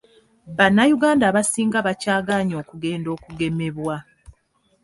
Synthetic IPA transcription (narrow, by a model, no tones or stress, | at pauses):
βanːajuɡaːndaːβasiːŋɡaβacaːɡaɲo̞ːkuɡe̞ːndo̞ːkuɡe̞me̞βwa